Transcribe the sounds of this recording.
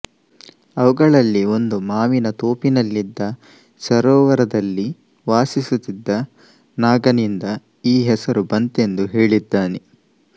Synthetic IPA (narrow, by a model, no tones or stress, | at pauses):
ɐʋuɡɐɭɐlːio̞nd̪umaːminɐt̪oːpinɐlːid̪ːɐ | sɐɾɔːʋɐɾɐd̪ɐlːi | ʋaːsisut̪ːid̪ːɐ | naːɡɐnind̪ɐ | iːɦɛsɐɾubɐnt̪e̞nd̪uɦe̞ːɭid̪ːaːne